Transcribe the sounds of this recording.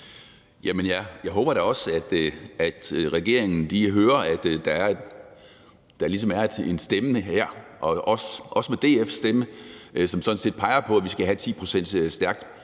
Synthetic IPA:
jæmenjæjɑ̈ɪɦɔ̽ːb̥ɐɾ̥æɒ̽sæd̥æd̥ʁɛɡ̥e̝ɐ̰eŋn̩liɦøːɐæd̥d̥ɑ̈æɐ | d̥ɑ̈ɐlis̬ɒ̽mæɐed̥e̝nsd̥emənəheɐ̰ʔɒ̽ʔɒ̽sʔɒ̽səmed̥e̝̰ːefsd̥eməsɒ̽msɒ̽dn̩se̝̰ːd̥̚pʰɑ̈ɪɐpʰɒ̽æʋisɡ̥æɦæt͡sʰḭːpʰʁo̝sen̰d̥sd̥æɐɡ̥̚d̥

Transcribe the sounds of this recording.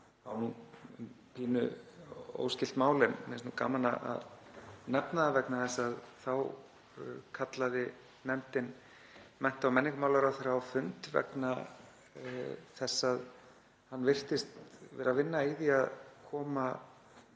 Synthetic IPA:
awnum | pʰiːnʏ̰ | o̰ːwscɪlt̪maːwlɪmmɛsnuka̰ːmalna̰a̰ðnɛpnaðvɛknaθɛsːaðθaw | kʰat̪laðɪ | nɛm̥t̪ɪn | mɛn̥t̪awmɛnːɪŋkʏmaːwlaɾaθɛɾaːwfʏnt̪vɛ̰kna | θɛsːað | hanːvɪr̥t̪ɪst̪vɛ̰ːɾavɪnːaiðiaðkʰɔːma

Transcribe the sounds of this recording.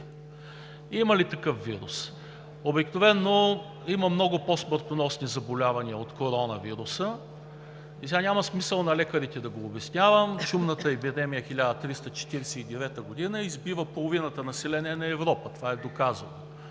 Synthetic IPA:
imɐlit̪ɐkɤfviɾṵs | obiknovɛnːo | imɐmnɔɡʊposməɾt̪onɔsnizɐbolʲavɐniəot̪koɾɔnɐviɾusə | isɛanʲamɐsmisəlˠnɐlɛkəɾit̪ɛd̪ɐɡoːbɛsnʲavəmʃumnət̪əɛbid̪ɛmijəxilʲad̪ət̪ɾist̪ət͡ʃɛ̥t̪iɾɛsɛid̪ɛvɛt̪əɡod̪inəizbivəpolˠovinət̪ənɐsɛlɛnɛnɐɛvɾɔpət̪ovaɛd̪okazɐno

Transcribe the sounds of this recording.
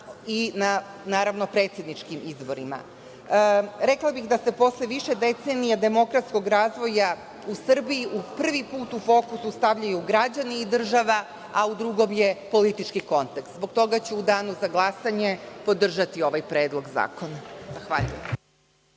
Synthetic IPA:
ina | naːɾaʋno̞pɾe̞ːt̪sje̞d̪nit͡ʃkimizbo̞ɾima̰ | ɾeklˠabixd̪ase̞po̞sleʋiʃe̞d̪e̞t̪senijad̪e̞mo̞kɾat̪sko̞ɡɾaːzʋo̞ja | usr̩bijiʔupr̩ʋipuːt̪ufo̞ːkusust̪aʋʎajuɡɾad͡ʑaniid̪r̩ʒaʋa | aud̪ɾuɡo̞mjepo̞lit̪it͡ʃkiko̞nt̪ekst̪zbo̞ɡ̚t̪o̞ɡat͡ɕeud̪aːnuzaɡlˠasaɲe̞po̞d̪r̩ʒat̪io̞ʋajpɾe̞ːd̪lˠo̞ɡza̰ːko̞nazaxʋa̰ʎṵjem

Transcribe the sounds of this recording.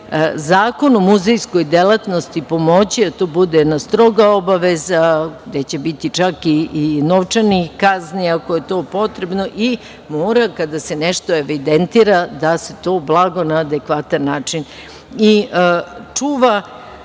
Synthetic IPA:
zaːko̞nomuzejsko̞jd̪elˠat̪nost̪ipo̞mo̞t͡ɕiat̪oːbud̪enast̪ɾo̞ɡaobaʋezaɡd̪et͡ɕe̞bit̪it͡ʂakiːnoʋt͡ʃanikazniakoje̞t̪o̞ːpo̞t̪ɾe̞bno̞ʔi | moːɾakad̪aseneʃt̪o̞eʋid̪ent̪iɾad̪ase̞t̪o̞ːblˠaɡo̞naːd̪ekʋat̪anːaːt͡ʂin | i | t͡ʂuːʋa

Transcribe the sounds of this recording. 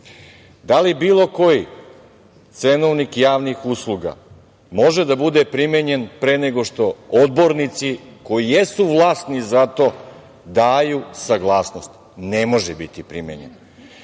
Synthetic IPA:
d̪alibiːlˠo̞ko̞ji | t̪senoʋnikjaːʋnixuslˠuɡa̰ | mo̞ʒed̪abud̪epɾimeɲe̞npɾeːneɡo̞ʃt̪o̞od̪bo̞ɾnit̪siko̞jijesuʋlˠaːst̪nizat̪o̞ | d̪aːjusaɡlˠaːsno̞st̪ | nemo̞ʒebit̪ipɾimḛɲḛn

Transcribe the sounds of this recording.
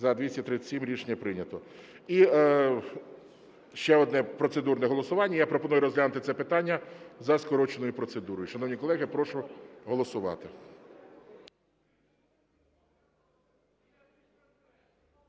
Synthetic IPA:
zɐd̪ʋʲisʲɐt̪ɾɪt͡sʲsʲimɾʲit͡ʃnʲɐpɾɪnʲɐt̪ɔ | i | ʃt͡ʃɛɔd̪nɛpɾɔt̪sed̪urnɛɦɔlˠɔsʊʋɑnʲːɐjapɾɔpɔnujʊɾɔzɦlʲanʊt̪ɪt̪sɛpɪt̪ɑnʲːɐzɐskɔɾɔt͡ʃenɔjʊpɾɔt̪sed̪uɾɔjʊʃɐnɔwnʲikɔlˠɛɦɪpɾɔʃʊɦɔlˠɔsʊʋɑ̰t̪ɪ

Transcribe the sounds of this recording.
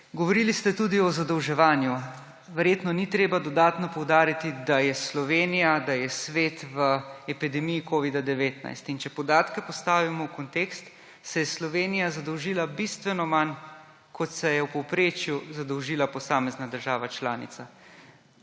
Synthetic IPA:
ɡɔʋɔɾilist̪ɛt̪ud̪iɔzad̪ɔwʒɛʋaːnju | ʋɛɾjeːt̪nɔnit̪ɾeːbad̪ɔd̪aːt̪nɔpɔwd̪aːɾit̪id̪ajɛslɔʋeːnijad̪ajɛsʋeːt̪ʋəɛpid̪ɛmijikoːʋid̪ad̪ɛʋeːt̪na̰jst̪int͡ʃɛpɔd̪aːt̪kɛpɔst̪aːʋimɔwkɔnt̪eːkst̪ | sɛjɛslɔʋeːnijazad̪ɔwʒiːlabist̪ʋɛnɔman | kʰɔt̪sɛjɛwpɛwpɾeːt͡ʃjuzad̪ɔwʒiːlapɔsaːmɛznad̪əɾʒaːʋat͡ʃlaːnḭt̪sa

